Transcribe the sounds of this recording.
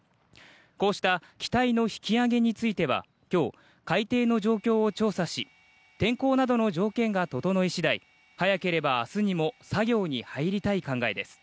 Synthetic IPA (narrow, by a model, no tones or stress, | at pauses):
ko̞ːɕi̥t̪akʲi̥t̪aino̞çi̥kʲiaɡe̞ɲ̟it͡sɨit̪e̞β̞a̰ | kʲo̞ː | kait̪e̞ːno̞ʑo̞ːkʲo̞ːt͡ɕo̞ːsaɕi | t̪ẽ̞ŋko̞ːnad̪o̞no̞d͡ʑo̞ːkẽ̞ŋɡat̪o̞t̪o̞no̞iɕid̪aḭ | hajake̞ɾe̞baːsɨɲ̟imo̞saɡʲo̞ːɲ̟ihaiɾʲit̪aikãŋɡae̞d̪e̞sɨ̥